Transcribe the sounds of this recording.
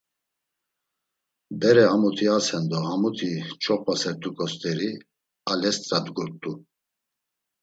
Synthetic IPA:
bɛɾɛhamut̪ʰiasɛnd̪ɔhamut̪ʰit͡ʃʼʰɔχpasɛɾt̪ʰʼukʼɔst̪ʼɛɾi | alɛst̪ʼɾad̪ɡuɾt̪ʼu

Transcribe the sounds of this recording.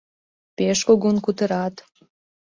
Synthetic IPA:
peʃkoɣonkut̪ə̆ɾɑt̪

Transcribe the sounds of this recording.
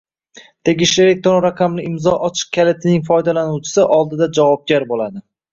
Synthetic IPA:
t̪ʰe̞ɡʲɪʃlɪɾek̚ʲt̪ʰonɾaqʰɑmlɪɪmzɒʔɒt͡ʃʰɪ̥q̚kʲʰalet̪ʰɪnɪŋfɒjd̪alanuwt͡ʃʰɪ̥sɪʔɒlˠd̪ɪd̪ad͡ʒavɒp̚ɡʲaɾbolad̪ɪ

